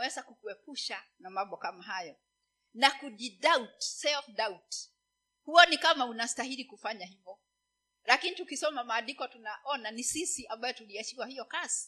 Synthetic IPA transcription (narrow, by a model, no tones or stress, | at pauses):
wɛzakukuɛpuʃanamambɔkamaɦajɔ | nakuʄidautsɛlfdaut | huɔnikamaunastahiɾikufaɲahivɔ | lakinitukisɔmamaːlikɔtunaʔɔnanisisiʔambajɔtuliat͡ʃiwahijɔkasi̥